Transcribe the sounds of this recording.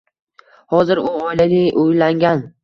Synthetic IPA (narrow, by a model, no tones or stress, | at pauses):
hɒzɪɾʊɒjlanɪʔujlaŋɡʲan